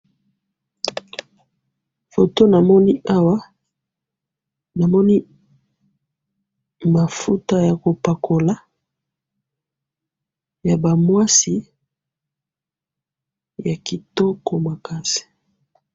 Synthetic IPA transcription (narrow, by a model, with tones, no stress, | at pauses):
fo˨to˦na˨mɔ˦ni˦ʔa˦wa˦ | na˨mɔ˦ni˦ | ma˨fu˦ta˦ja˨ko˨pa˨kʰo˨la˨˦ | ja˨ba˨mwa˦si˦ | ja˨ki˨tɔ˦kɔ˨ma˨ka˦si̥˨